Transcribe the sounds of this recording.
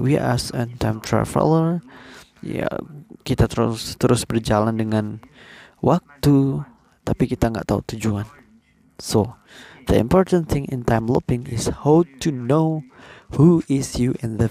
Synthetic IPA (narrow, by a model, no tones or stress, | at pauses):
wiʔasə̃nt̪ʰãɪmt̪ʰɾa̰və̰ləɹ | ja̰kit̪at̪əɾust̪əɾʊsbərd͡ʒalandəŋãn | wak̚t̪u | t̪apikit̪aŋɡa̰ʔt̪aṵt̪ud͡ʒuan | so | d̪ə̰ḭ̃mpɔrt̪ə̃nθʰɪ̃ŋɪ̰̃nt̪ãjmlupɪ̃ŋɪshawt̪uno | huɪsjuʔɛ̃nðə